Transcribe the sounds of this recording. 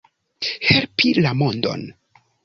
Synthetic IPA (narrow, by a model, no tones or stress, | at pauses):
he̞lpilamondo̞̰n